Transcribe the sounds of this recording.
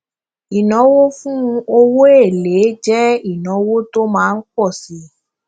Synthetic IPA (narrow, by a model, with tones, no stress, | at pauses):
i˨nɔ̃˨˦wo˦fũ˦˧o˧wo˦e˦˨le˨˦d͡ʒɛ˦i˦˨nɔ̃˨˦wo˦to˦mãː˦˧n̩˦k͡pɔ˦˨si˨˦